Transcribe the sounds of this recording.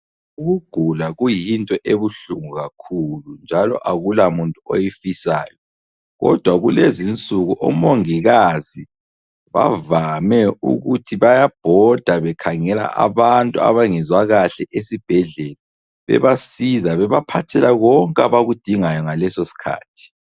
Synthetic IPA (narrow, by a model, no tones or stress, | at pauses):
uɣuɡ̥ʱulaɣujintʼɔʔeβuɬuŋuɣakʰulund͡ʒʱalɔ̰ʔaɣulamuntʼuo̰jifisa̰ːjɔ | ɣɔ̰d̥ʱwaɣulezint͡sʼuɣuʔɔ̰moŋiɣazi | βa̰vamɛṵɣutʰiβajab̥ʱɔd̥ʱaβɛkʰaŋɛla̰ʔa̰βantʼua̰βaŋɛzwaɣaɬɛʔesib̥ʱɛɮɛla | βɛ̰βasizaβɛβapʰatʰɛlaɣɔŋkʼaβaɣud̥ʱiŋajɔŋalɛsosi̥kʰa̰ːtʰi̥